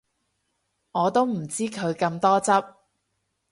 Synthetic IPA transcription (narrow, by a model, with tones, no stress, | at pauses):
ŋɔː˨˧t̪o˥wm̩˨˩t͡siː˥kʰɵ˨˧ɥkɐ˧mt̪ɔː˥t͡sɐ˥p̚